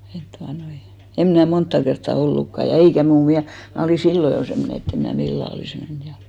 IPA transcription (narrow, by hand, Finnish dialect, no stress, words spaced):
et tuɑnoi em mnæˑ montːɑ kertːɑ olːukːɑ jɑ jɑ eikæ muː miæ mnæˑ oliˑ silːo jo semːone etː em mnæː milːæˑ oliˑs men jɑ